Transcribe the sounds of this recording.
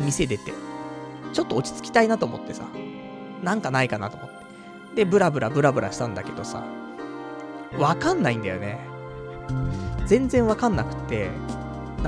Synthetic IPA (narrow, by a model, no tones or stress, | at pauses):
mʲise̞d̪e̞t̪e̞̰ | t͡ɕo̞t̪ːo̞ːt͡ɕi̥t͡sɨ̥kʲi̥t̪ainat̪o̞ːmo̞̰t̪ːe̞sa̰ | nãŋkanaikanat̪omo̞t̪ːe̥ | d̪e̞bɯ̟ɾabɯ̟ɾʔabɯ̟ɾabɯ̟ɾʔaɕi̥t̪ãnd̪ake̞d̪o̞sa̰ | βakãnːaĩnd̪ajo̞̰ne̞ | d͡zẽ̞nzẽ̞ɰ̃βakãnːakɯ̟̥t̪ːe̞ | n